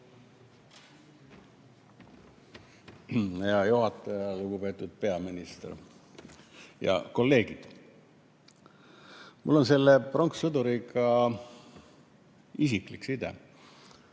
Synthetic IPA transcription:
jɑjuɦɑt̪ːˑɑjɑluɡupe̞ːt̪ːˑud̪̥̚pe̞ɑminist̪ḛr | jɑ̰ko̞lːe̞ːɡ̥id̪̥ | mṵlːo̞nse̞lːeproŋkssɤd̪uɾikɑ | isikliksid̪ḛ

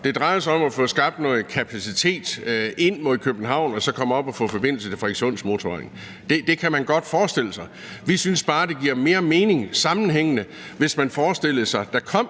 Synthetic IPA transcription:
d̥e̝d̥ʁɑ̈ɪð̩ˠs̬ɑ̈ɒ̽mæfɔ̽sɡ̥ɑ̈b̥̚d̥nɔːð̩ˠkʰæpʰæsit͡sʰe̝̰ːd̥e̝n̰mo̝ð̩̰ˠkʰøb̥n̩ɦɑ̈ʊ̰nɒ̽sɒ̽kʰɒ̽m̰ɒ̽b̥ɒfɔ̽fɒ̽b̥e̝n̰l̩səefeɡ̥ɕo̝̰ːnsmo̝t͡sʰoeŋ | d̥e̝d̥e̝kʰæmænɡ̥ɒ̽d̥fɒːsd̥e̝l̰əsɑ̈ɪ | ʋisynsb̥ɑ̈ːd̥e̝ɡ̥iɐ̰me̝ːɐme̝ːne̝ŋsɑ̈mn̩ɦeŋ̰ənə | ʋe̝smænfɒːsd̥e̝l̰ðsɑ̈ɪd̥æ̈kʰɒ̽m̰

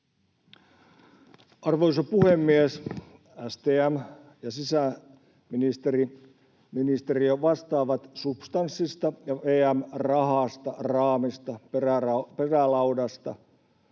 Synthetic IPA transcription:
ɑrʋoisɑpuhemːies | æst̪eːæm | jɑsisæ | minist̪eri | minist̪eriøʋɑst̪ɑːʋɑt̪supst̪ɑnsːist̪ɑjɑʋeːæmrɑhɑst̪ɑrɑːmist̪ɑerærɑperælɑudɑst̪ɑ

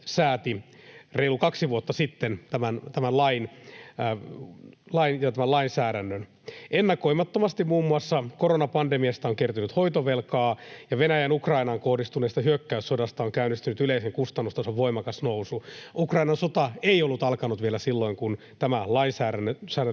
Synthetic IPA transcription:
sæːt̪ireilukɑksiʋuot̪ːɑsit̪ːent̪æmænt̪æmænlɑin | lɑinjɑt̪æmælɑinsæːdænːøn | enːɑko̞imɑt̪ːomɑst̪immuːmːuɑsːɑkoɾonɑpɑndemiɑst̪ɑoŋkert̪ynyt̪hoit̪oʋelkɑːjɑʋenæjænukrɑinɑŋkohdist̪uneːst̪ɑhyøkːæysodɑst̪ɑoŋkæynist̪ynyt̪yleiseŋkust̪ɑnːust̪ɑsoʋʋoimɑkɑsnousuʔukrɑinɑnsot̪ɑeijolːut̪ɑlkɑnut̪ʋielæsilːo̞iŋkun | t̪æmælɑinsæːɾænːsæːɾ

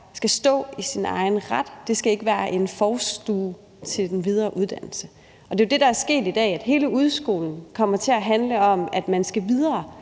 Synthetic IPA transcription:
sɡ̥æsd̥ɔ̰̽ːisinɑ̈ɪn̩ʁɑd̥ːe̝sɡ̥æe̝ɡ̥əʋæːɐʔe̝nfɒːsd̥uː | t͡sʰe̝ld̥enʋið̞ˠɐːʔuðˠd̥æn̰l̩sə | ɒ̽d̥e̝jod̥e̝ɾɑ̈æɐsɡ̥e̝̰ːd̥id̥ɛ̰ːæd̥ɦe̝ːləuð̞ˠsɡ̥o̝̰ːln̩kʰɒ̽m̰ɐt͡sʰe̝æɦænləɒ̽mæd̥mænsɡ̥æʋið̞ˠɐː

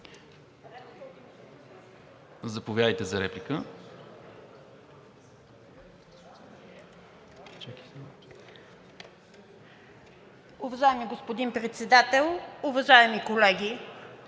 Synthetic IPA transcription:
zɐpovjad̪əjt̪ɛzɐɾɛplikə | t͡ʃɛki̥ | ʊvɐʒaɛmiɡospod̪inpɾɛt̪sɛd̪at̪ɛlˠʊvɐʒaɛmikolɛɡʲi

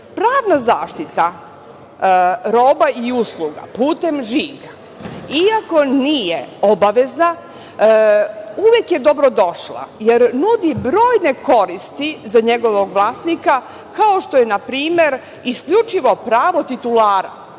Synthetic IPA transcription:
pɾaːʋnazaːʃt̪it̪a | ɾo̞ːbaiusluɡa̰puːt̪e̞mʒiːɡa | iako̞nijeo̞baʋe̞zna | uʋjekje̞d̪o̞bɾod̪o̞ʃlˠa̰jeɾnud̪ibɾo̞ːjne̞ko̞ɾist̪izaɲe̞ɡo̞ʋo̞ɡʋlˠaːsnika | kaoʃt̪o̞je̞napɾiːme̞ɾ | iskʎut͡ʃiʋo̞pɾaːʋo̞t̪it̪ulaːɾa̰

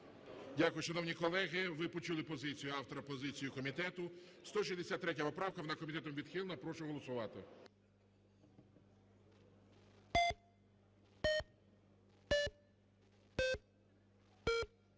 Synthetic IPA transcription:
dʲakʊjʊʃɔnɔwnʲikɔlˠɛɣɪʋɪpɔt͡ʃulˠɪpɔzɪt͡sʲijʊɑwt̪ɔɾɐpɔzɪt͡sʲijʊkɔmʲit̪ɛt̪ʊst̪ɔʃ̬izd̪esʲat̪ːɾɛt̬ʲɐpɔpɾɑwkɐʋɔnakɔmʲit̪ɛt̪ɔmʋʲid̪xilˠnɐpɾɔʃʊɦɔlˠɔsʊʋɑt̪ɪ̰

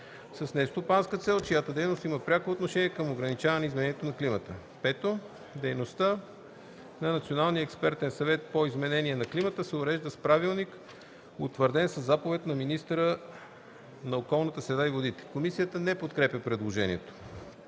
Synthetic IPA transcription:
sɐsnɛst̪opanskət̪sɛlˠt͡ʃijat̪əd̪ɛjnost̪iməpɾʲakoːt̪noʃɛniɛkəmoɡɾɐnit͡ʃavɐnɛizmɛnɛnijɛt̪onɐklimət̪ə | pɛt̪o | d̪ɛjnost̪ə | nɐnɐt̪sionalˠniəɛkspɛɾt̪ɛnsɐvɛt̪̚poizmɛnɛniɛnɐklimət̪əsɛʊɾɛʒd̪əspɾavilˠnik | ot̪vəɾd̪ɛnsəzːapovɛt̪nɐminist̪əɾə | nɐokɔlˠnət̪əsɾɛd̪aivod̪it̪ɛ̥komisijət̪ənɛpot̪kɾɛpʲəpɾɛd̪lˠoʒɛnḭɛt̪o̥

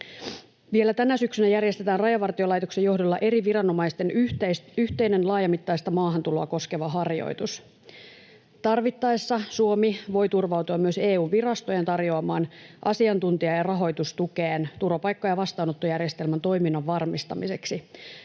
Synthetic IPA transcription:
ʋie̞læt̪ænæsyksynæjærje̞st̪e̞t̪æːnrɑjɑʋɑrt̪io̞lɑjt̪o̞kse̞johdo̞lːɑʔe̞ɾiʋirɑno̞mɑist̪ensyht̪e̞jne̞nlɑːjɑmit̪ːɑjst̪ɑmɑːɦɑnt̪ulo̞ɑko̞skeʋɑɦɑrjo̰jt̪us | t̪ɑrʋit̪ːɑesːɑsuomiʋo̞jt̪urʋɑwt̪uɑmːyø̞se̞ːuːnʋirɑst̪o̞jent̪ɑrjo̞ɑmɑːnʔɑ̰siɑnt̪unt̪iɑjɑrɑɦo̞jt̪ust̪ukeːnt̪uɾopɑjkːoɑjɑʋɑst̪ɑːno̞t̪ːojærje̞st̪e̞lmænt̪o̞jminːɑʋːɑrmist̪ɑ̰mise̞ksi

